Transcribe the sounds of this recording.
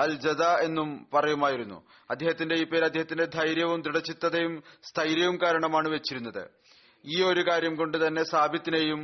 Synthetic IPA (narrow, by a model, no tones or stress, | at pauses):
ɐld͡ʑɐðae̞nːumpɐrɐjumaːjiɾunːṵ | ɐd̪ʱjeːɦɐt̪ːinde̞iːpːeːɾɐd̪ʱːeɦɐt̪ːinde̞d̪ʱɐjɾjɐʋumd̪ɾiɽɐt͡ɕːit̪ːɐðejumst̪ʰɐjɾjɐʋumkaːɾɐɳɐmaːɳɨʋet͡ɕːiɾunːɐðɨ̰ | iːo̞ɾukaːɾjɐmko̞ɳɖɨt̪ɐnːe̞saːbʱjɐt̪ːinejum